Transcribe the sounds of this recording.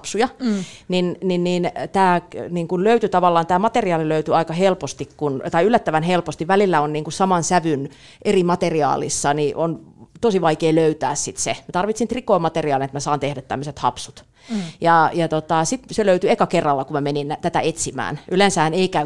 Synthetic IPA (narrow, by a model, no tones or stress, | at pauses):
psujɑninninniːnt̪æːniŋkunløyt̪yt̪ɑʋɑlːɑːnt̪æːmɑt̪eriɑːliløyt̪yɑikɑhelpost̪ikkunt̪ɑiylːæt̪ːæʋænhelpost̪iʋʋælilːæonniːŋkusɑmɑnsæʋyn | ʔerimɑt̪eriɑ̰ːlḭsːɑniʔont̪osiʋɑikeːløyt̪æːssit̪semæt̪ɑrʋit̪sint̪rikoːmɑt̪eriɑːlinet̪mæsɑːnt̪ehdæt̪t̪æ̰mːøset̪hɑ̰psu̥t̪ | jɑjɑt̪ot̪ɑsit̪seløyt̪yeikɑkerːɑlːɑkummæmenint̪æt̪æ̰et̪simæ̰ːnʔylensæhæneikæ